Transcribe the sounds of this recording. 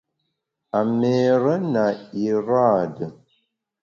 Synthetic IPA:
a˨me˨ɾə˦na˨i˨ɾa˦˨də˨

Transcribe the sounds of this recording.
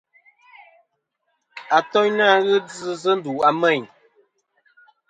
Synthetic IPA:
a˨tɔ˦ɲna˦ɣɨ˦d͡zɨ˦zə˦n̩˦du˨a˨mɛ˦˨ɲ

